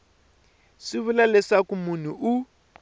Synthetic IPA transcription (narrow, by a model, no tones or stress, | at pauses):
sɪβulalɛsakumun̤uʔu